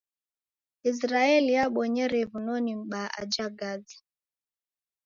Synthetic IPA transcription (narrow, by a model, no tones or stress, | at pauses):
is̬ɾaɛlijaɓɔɲɛɾɛβunɔnim̩ɓaʔa̰d͡ʒaɡad͡zi̥